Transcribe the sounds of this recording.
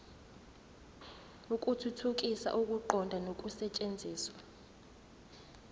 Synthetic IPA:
ukʼutʰutʰuk̬ʼisa̰ʔukʼuǃɔndʱanokʼusɛt͡ʃʼend͡zʱiːswa

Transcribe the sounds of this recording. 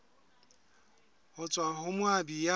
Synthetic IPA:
hʊt͡sʼwahʊmwabija

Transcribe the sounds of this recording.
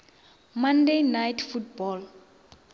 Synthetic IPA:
mãndejnajtʰfutbɔl

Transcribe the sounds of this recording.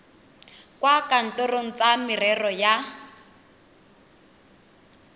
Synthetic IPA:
kwakan̩tɔroŋ̩t͡samɪrɛrɔja

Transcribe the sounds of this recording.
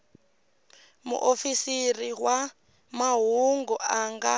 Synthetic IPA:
mṵʔofisiriɦwa | maɦuŋɡɔʔaŋɡa

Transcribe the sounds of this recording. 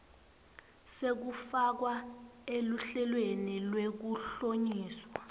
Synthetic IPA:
sek̬ufak̬waeluɬɛlwenilwek̬uɬoɲiːswa

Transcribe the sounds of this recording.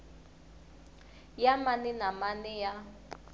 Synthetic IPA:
jamaninamanɛja

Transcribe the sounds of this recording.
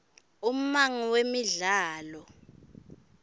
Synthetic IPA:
um̩maŋiwemiɮaːlɔ

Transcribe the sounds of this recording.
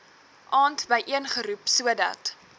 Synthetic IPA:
ʔɑːntbəjʔiənχəɾupsuədɐ̰t

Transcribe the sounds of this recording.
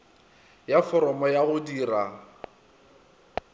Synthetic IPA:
jafɔɾɔmɔjaɣʊdiːra

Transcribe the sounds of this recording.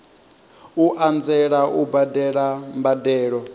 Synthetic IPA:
uʔand͡zɛɺaʔubadɛɺambadɛːɺɔ

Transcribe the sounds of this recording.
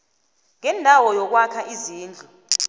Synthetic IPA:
ŋɛndʱawɔjɔk̬wakʰaʔiziːnd͡ɮʱu

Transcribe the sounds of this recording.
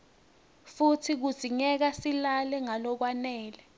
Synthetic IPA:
futʰik̬u̥z̥ʱiɲɛk̬asilalɛŋalɔk̬wanɛːlɛ

